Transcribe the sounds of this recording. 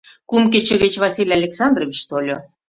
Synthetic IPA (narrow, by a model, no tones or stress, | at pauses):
kumk̬et͡ɕĕɣĕt͡ɕvɑsʲilʲɑlʲeksɑnd̪rovʲit͡ɕt̪olʲo